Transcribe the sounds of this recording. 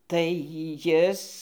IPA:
tɐɪ ˈjɪs

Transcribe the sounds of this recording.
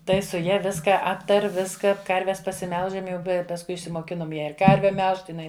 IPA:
ˈtɐɪ sʊ ˈjɛ ˈʋʲɪskɐ ˈɑːptɐrʲ ˈʋʲɪskɐ ˈkɐrʲʋʲɛs pɐsʲɪˈmʲɛlˠʒɐm ˈjɛʊ ˈbʲɛ pɐsˈkʊɪ ɪʃʲsʲɪmoːˈkʲɪnoːm ˈjæː ɪr ˈkɐrʲʋʲɛ ˈmʲɛlˠʃt ɪˈnɐɪ

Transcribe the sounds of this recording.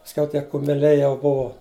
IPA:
pɐsʲˈkʲɛʊ ˈtʲiɛ kʊmʲɛˈlʲɛɪ jɛʊ ˈbʊʋoː

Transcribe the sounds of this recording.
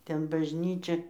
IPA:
ˈtʲɛn bɐʒʲˈnʲiːt͡ʃʲɛ

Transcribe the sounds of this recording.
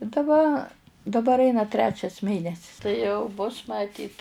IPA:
ɪ dɐˈbɐ dɐˈbɐr ˈɐɪnɐ ˈtʲrʲæːt͡ʃʲɛs ˈmʲeːnʲɛsʲɪs tɐɪ ˈjɛʊ bʊs mɐˈtʲiːt

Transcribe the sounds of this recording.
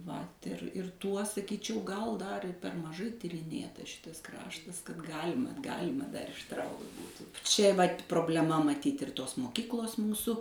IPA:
ʋɐt ɪr ɪr ˈtuɔ sɐˈkʲiːt͡ʃʲɛʊ ɡɐlˠ ˈdɐr ɪr pʲɛr mɐˈʒɐɪ tʲɪrʲɪˈnʲeːtɐs ˈʃʲɪtɐs ˈkrɑːʃtɐs kɐt ˈɡɑːlʲɪmɐ ˈɡɑːlʲɪmɐ dɐr ɪʃˈtrɐʊkt ˈbuːtuː ˈt͡ʃʲɛ ʋɐtʲ proːbʲlʲɛˈmɐ mɐˈtʲiːtʲ ɪr ˈtoːs moːˈkʲɪklˠoːs ˈmuːsʊ

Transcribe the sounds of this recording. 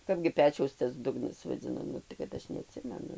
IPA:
ˈkɑːbʲɡʲɪ ˈpʲæːt͡ʃʲɛʊs tɐs ˈdʊɡnɐs ʋɐˈd͡zʲɪnɐ ˈnʊ tɐɪ kɐt ˈɐʃ nʲɛɐˈtʲsʲɪmʲɛnʊ

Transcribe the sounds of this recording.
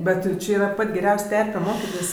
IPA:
ˈbʲɛt jɛʊˈt͡ʃʲɪ ˈiːrɐ ˈpɐtʲ ɡʲɛˈrʲɛʊsʲ ˈtʲɛrʲpʲɛ ˈmoːkʲɪtʲɪs

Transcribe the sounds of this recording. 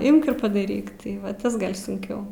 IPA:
ˈɪmk ɪr pɐdɐˈrʲiːk tɐɪ ˈʋɐ ˈtɐs ˈɡɐlʲ sʊŋʲˈkʲɛʊ

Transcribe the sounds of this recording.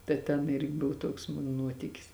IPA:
tɐ ˈtʲɛn ˈɪrʲɡʲɪ ˈbʊw ˈtuɔks ˈmʊn ˈnuɔtʲɪkʲɪs

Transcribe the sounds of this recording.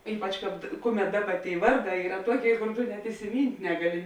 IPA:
ˈiːpɐt͡ʃ ˈkɑːp ˈkʊˌmʲɛt ˈdɑːˌbɐ tʲeːɪ ˈʋɐrˌdɑː ˈiːrɐ ˈtuɔˌkʲeːɪ koːr ˈtʊ nʲɛt ɪsʲɪˈmʲiːnʲtʲ ˈnʲæːɡɐˌlʲɪ

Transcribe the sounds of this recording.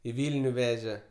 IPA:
ɪ ˈʋʲiːlʲnʲʊ ˈʋʲæːʒʲɛ

